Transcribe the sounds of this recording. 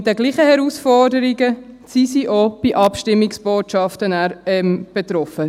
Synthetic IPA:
d̥ɛɡliːχəhɛɾusfɔdəɾiɡəsisiʔob̥iʔɑpʃtɪmːɪksb̥oːtʃɑftənæɾɛmb̥et̪ɾɔfə

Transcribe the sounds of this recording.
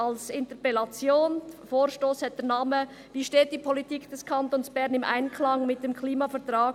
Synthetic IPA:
ɑlsɪntəpɛlɑt͡sjoːnfoːɾʃtoːshɛt̚d̥ɛɐnaːmə | viːʃteːt̚d̥ipʰolitiːkd̥ɛskʰɑntonsb̥ɛɾnɪmʔa̰ɪnkʰlɑŋmɪt̚d̥emkʰliːmɑfɛɐtʁaː

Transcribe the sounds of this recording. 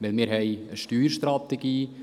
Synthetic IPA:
ʋɪlmɪːɾɦɛjəʃtyːɾʃtɾɑt̪eɡiː

